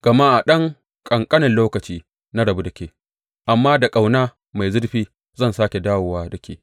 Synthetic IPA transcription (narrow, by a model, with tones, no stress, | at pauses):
ɡ̥ɐ˨ma˦ʔa˨ɗɐ˦ŋ | kʼɐ˨ŋkʼɐ˦nɐ˨nloː˦kɐ˨t͡ʃiː˦ | na˦ɽɐ˨bu˦dɐ˨kʲeː˦˨ | ʔa˨mːaː˦da˨kʼa˨wnaː˦ | ma˨jzʊ˦ɽɸiː˦ | zɐ˦˨nsaː˦kʲe˨daː˦woː˨waː˦dɐ˨kʲeː˦